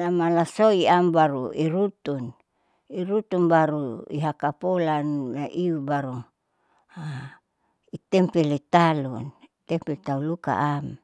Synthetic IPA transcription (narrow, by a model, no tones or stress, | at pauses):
lamalasoiambaɾuiɾut̪un | iɾut̪unbaɾuḭɦakapolannaʔiubaɾu | a | it̪ɛmpɛlit̪alunit̪ɛmpɛt̪auluka̰ʔam